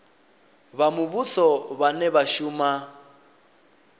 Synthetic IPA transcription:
βamuβusɔβanɛβaʃuːma

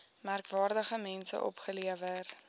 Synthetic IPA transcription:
mærkvɑːrdəχəmɛnsə̰ʔɔ̰pχəliəvər

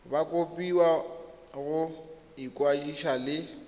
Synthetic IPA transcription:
bakʼopʼiwa | ɣʊ | ikʼwad͡ʒiʃalɪ

